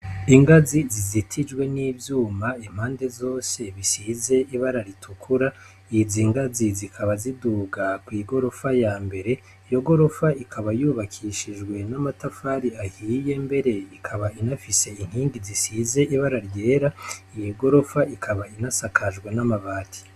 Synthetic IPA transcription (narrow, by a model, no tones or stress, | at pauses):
iŋɡazizizitʰid͡ʒɡwe̞niːvjuːmaim̥haːnde̞zo̞ːse̞βisize̞iβaɾaɾitʰukʰuɾa | iziːŋɡazizikʰaβaziduːɡakwiːɡo̞ɾo̞fajaːmbe̞ɾe̞ | ijo̞ɡo̞ɾo̞faikʰaβajuːβakʰiʃid͡ʒɡwe̞namatafaːɾiahiːje̞mbe̞ɾe̞ikʰaβainafise̞iŋ̥hiːŋɡizisize̞iβaɾaɾɟe̞ːɾaijiɡo̞ɾo̞faikʰaβainasakʰad͡ʒɡwe̞namaβaːtʰi̥